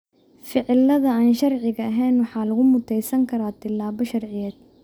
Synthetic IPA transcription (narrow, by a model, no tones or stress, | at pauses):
fɪʕɪlːɐðɐaːnʃɐrʕɪɣɐɐɦɛːnwɑħɑːlɐɣʊmʊt̪ʰɛjsɐŋkʰɐɾaːt̪ʰɪlaːβɔʃɐrʕɪjɛːd̪